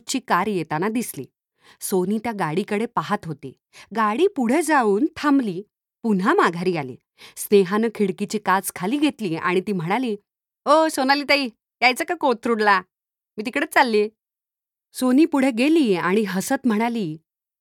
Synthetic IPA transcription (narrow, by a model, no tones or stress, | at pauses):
t͡ɕiːkaɾjet̪anad̪islḭː | sonit̪jaɡaɽikəɽepaɦat̪ɦot̪ḭː | ɡaɽiːpuɽ̤ed͡zauːnt̪ʰamliː | pun̤amaɡʱaɾiːalḭː | sneɦanəkʰiɽkit͡ɕiːkad͡zkʰaliːɡʱet̪liːa̰ɽ̃it̪iːm̤əɽ̃aliː | ɦosonaliːt̪aiː | jajt͡sakakot̪ʰɾuɽla | miːt̪ikɽet͡salːi | soniːpuɽ̤eɡeliːaɽ̃iɦəsət̪m̤əɽ̃aliː